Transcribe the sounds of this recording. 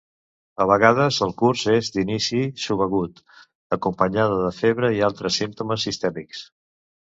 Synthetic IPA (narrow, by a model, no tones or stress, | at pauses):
əβ̞əɣað̞əzəlˠkurzezd̪inisisuβəɣut̪ | əkumpəɲaðəðəfeβɾəialˠt̪ɾəsimt̪uməsːist̪ɛmiks